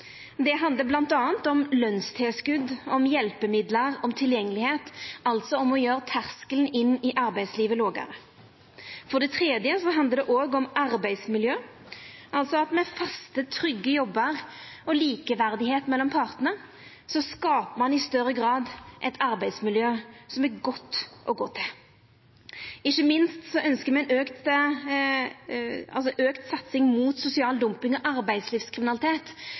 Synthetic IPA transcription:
d̪ɛɦɑnd̪ləblɑnt̪ɑːənt̪ɔmlœnst̪ʰeːskʉd̪ɔmjɛlpəmɪd̪ləʁɔmt̪ʰɪljɛŋːəlɪheːt̪ɑlt̪sɔɔmɔjøːʁət̪ʰæʁskəlnɪnːɪʔɑɾbæɪsliːʋəloːɡə̰ɾə | fɔʁɖ̪ɛt̪ʰʁeːd̪jəsɔɦɑnd̪əd̪ɛʔoːɡɔmɑɾbæɪsmɪljøː | ʔɑlt̪sɔɑt̪mɛfɑst̪ət̪ʰɾʏɡːəjɔbːəʁɔliːkəʋæʁd̪ɪheːt̪mɛlːɔmpʰɑːʁt̪əə | sɔskɑːpəmɑnɪst̪œɾːəɡʁɑːd̪ʔɛt̪ʰɑɾbæɪd̪smɪljøːsɔmæɾɡɔt̪ːʔɔ̰ɡoːt̪ʰɪl | ɪçːəmɪnst̪sɔʔœnskəmɛɪnøːkt̪ | ɑlsɔʔøːkt̪sɑt̪sɪŋmuːt̪sʊsɪɑːld̪ʊmpɪŋɔʔɑɾbæɪd̪sliːfskʰɾɪmɪnɑlɪt̪ʰeːt̪

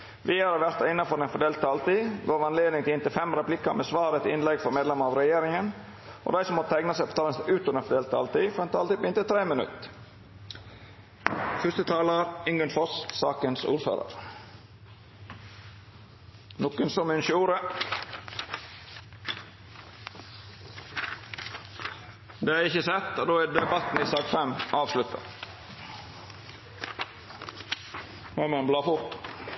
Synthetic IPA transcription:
ʋɪæɾɑɾʋæɾt̪ɑɪnːɑfɔɾɛnfɔd̪eːlt̪̚t̪ʰɑːlt̪iːɡoːɾɑnleːd̪nɪŋt̪ɪlɪnt̪ɪlfɛmɾɛplɪkɑmeːsʋɑːɾɛt̪ɪnlɛɡfɔɾmeːd̪lɛmɑɾɑːʋɾɛjeːɾɪŋən | ʔo̰d̪æɪsɔmɔt̪t̪ʰæɡnəsæɪpʰot̪ɑːlənsʔʉːt̪ɔɾɛnfɔd̪eːlt̪ːʰɑ̰ːlt̪iːfɔɾɛnt̪ʰɑːlt̪iːbɪnt̪ət̪ʰɾeːmənʉ̰t̪ | fʉst̪ət̪ʰɑːlɑɾʏŋɡənfɔst̪sɑːkənsṵːɾfø̰ːɾə̰ɾ | noːkənsɔmɪnʃuːɾə | d̪eːæːɪçəsɛt̪ːod̪oːæːd̪ɛbɑt̪n̩iːsɑːɡfɛmʔɑːʋslʉt̪ʰːɑ̰ | mɑmɑnblɑːfʊɾt̪

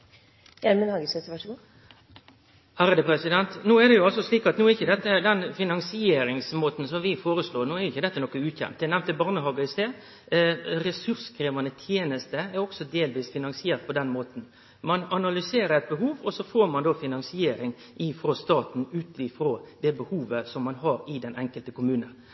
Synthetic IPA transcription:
jɛlmənhɑːɡəsɛt̪əʋɑʂɡː | hæɾəd̪əpʰɾɛsɪd̪ɛnt̪noːɛd̪ɛjʊɑlsɔsliːkɑt̪nuːɛɾɪçːəd̪ɛt̪ːəd̪ɛnfɪnɑŋsɪeːɾɪŋsmoːt̪n̩sɔmʋɪfoːɾəsloːnuːɛɾjʊɪçːəd̪ɛt̪ːənɔkːəʉːt̪çɛ̰mt̪d̪ɛɛnæʋnt̪ːəbɑɾnəɦɑːɡəɪst̪eːd̪ | ɾɛsʉɾskʰɾeːʋɑnət̪ʰjeːnəst̪əɛɾɔksɔd̪eːlʋiːsfɪnɑnsɪeːɾt̪̚pɔd̪ɛnmoːt̪n̩ | mɑnɑnɑlʏseːɾəɾɛɪt̪̚bəɦuːʋɔsɔfoːɾmɑnd̪oːfɪnɑnsɪeːɾɪŋ | ʔɪfɾoːst̪ɑːt̪n̩ʉːt̪ɪfɾoːd̪ɛbəhuːʋəsɔmːɑnɦɑɾɪd̪ɛnʔɛŋkəlt̪əkʊmʉːnən

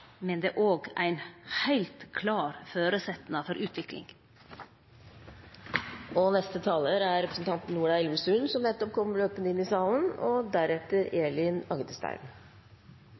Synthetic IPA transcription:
mɛnd̪ḛːʔoːɡæ̰ɪnhæɪlt̪kʰlɑːɾføːɾəsɛt̪nɑfɔɾʔʉːt̪ʋɪklɪ̰ŋ | ɔnɛst̪ət̪ʰɑːləɾæɾɛpɾə̥sn̩t̪ʰɑnt̪n̩nuːɖɑɪlʋəsʉnsɔmnɛt̪ːɔp̚kʰɔmːəɭøːpənəɪnːɪsɑlənɔd̪æɾɛt̪əɾeːɭɪnɑɡd̪əst̪æ̰ɪm

